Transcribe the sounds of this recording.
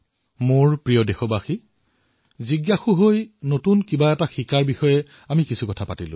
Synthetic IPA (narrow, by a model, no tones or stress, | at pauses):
moɹpɹijɔdexɔbaxi | ziɡjaxuɦojnotunkibaɛtaxikaɹbixɔjɛ | amikisʰukɔtʰapatilʊ̰̃